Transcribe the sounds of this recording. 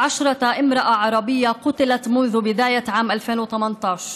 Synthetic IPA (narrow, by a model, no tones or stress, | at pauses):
ʕaʃɾˤɑʔɪmɾɑʔaʕɑɾˤɑbɪjːaqʊt̪ɪlat̪mʊnðʊbɪd̪aːjaʕaːmʔalfeːnwɪt̪amant̪ˤɑːʃ